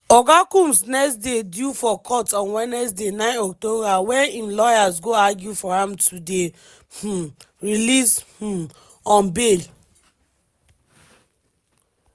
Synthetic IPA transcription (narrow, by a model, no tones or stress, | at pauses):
ɔɡakũmsnɛksdedjufɔkʰɔtɔ̃nwɛnɛsdenãɪ̃nɔktobawɛ̃nĩmlɔjas̬ɡoaɡjufɔãmtʰude | h̩ | ɹilish̩ | ɔ̃nbel